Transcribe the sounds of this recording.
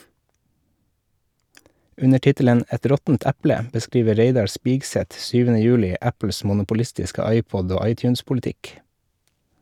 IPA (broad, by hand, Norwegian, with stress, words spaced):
ˈʉnə ˈʈɪtələn ˈɛt ˈɾɔtn̩t ˈæplə bəˈskɾiːʋə ˈɾeɪdɑɾ ˈspɪɡsɛt ˈsyːʋənə ˈjʉːlɪ ˈæpl̩s mʊnʊpʊˈlɪstɪskə ˈɑɪˌpɔd ˈoː ˈɑɪˌtjʉːnspʊlɪˌtɪk